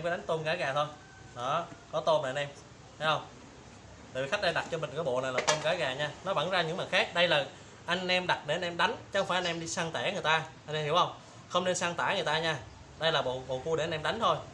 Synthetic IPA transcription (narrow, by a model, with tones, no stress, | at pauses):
mkːə˨˦ɗa˨˦ŋ̟t̪o˧nɣaː˨˦jɣaː˨˩t̪ʰo˧j | ɗɔ˨˦kɔ˨˦t̪o˧na̰˨˧nʔɛ˧mʰ˨˦ | hə˧wŋ͡m | a˨˩vi˨˩xa˦˥k̚ɗa˧jɗa˨˩t̚t͡ɕɔ˧mï˨˩ŋ̟kɔː˨˦jɓo̰˧˨na˨˩jlaː˨˩t̪o˧nɣaː˨˦jɣaː˨˩ɲaː˧nɔ˨˦va̰˧˥˦nzaː˧ɲɨ̰˧˥ŋməː˨˩jxaː˦˥k̚ɗə˧jlaː˨˩ | ʔa˧jŋ̟ʔɛ˧mɗa˨˩t̚ɗe˧˩˨nʔɛ˧mɗa˨˦jŋ̟t͡ɕxwfa˧˩ʔa˧nʔɛ˧mɗi˧saː˧ŋt̪e˧˩ŋ˨ɨ˨˩əjt̪aː˧ʔa˧jŋʔɛ˧mhi˧˩əwhə˧wŋ͡m | xə˧wŋ͡mne˧nsaː˧ŋt̪a̰ː˧˩ŋɨ˨˩t̪aː˧ɲaː˧ | ɗə˧jlaː˨˩ɓo̰˨ɓo̰˨˩ku˧ɗe˧˩˨nʔɛ˧mɗa˨˦jŋ̟t̪ʰo˧j